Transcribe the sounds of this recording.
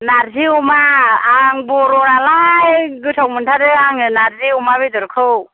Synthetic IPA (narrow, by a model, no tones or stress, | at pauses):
naɾziumaaŋbɔɾɔɾalajɡɯtʰawmɯntʰaɾɯaŋɯnaɾziumaβidɔɾkʰɯw